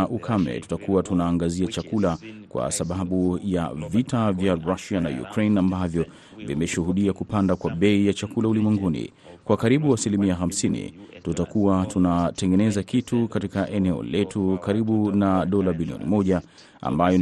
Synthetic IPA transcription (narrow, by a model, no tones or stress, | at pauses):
ʔukʰamɛ̰tu̥takuwatunaːŋɡaziat͡ʃakulakwa̰saɓaɓuja̰vitavjaɾaʃiana̰jṵkɾejnambavjɔ | vḭmɛʃuɦuɗiakupandakwaɓɛijat͡ʃakulaulimwɛŋɡunḭ | kwakaɾiɓuasilimiaxam̩sinḭtutakuwatunatɛŋɡɛnɛzakitʰukatikaʔɛnɛɔ̰lɛtʰukaɾiɓunaɗɔlaɓiliɔ̰nḭmɔʄa | a̰mbajɔ